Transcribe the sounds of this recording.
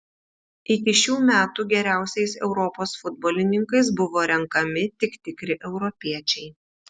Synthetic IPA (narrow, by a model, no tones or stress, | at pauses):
ɪkʲɪʃʲuːmʲæːt̪uːɡʲɛɾʲæˑʊsʲɛɪsɛ̰ʊɾɔpoːsfʊd̪boːlʲɪnʲɪŋkɐɪs̬bʊʋoːɾʲɛŋkɐmʲɪt̪ʲɪkt̪ʲɪkɾʲɪʔɛʊɾɔpʲiɛt͡ʃʲɛɪ